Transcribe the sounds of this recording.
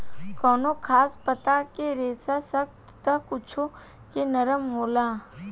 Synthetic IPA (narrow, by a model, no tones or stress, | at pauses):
kɔːnokʰaːspət̪akeɾeːsasək̚t̪t̪əkʊt͡ʃʰo | kenəɾəmɦoːlaː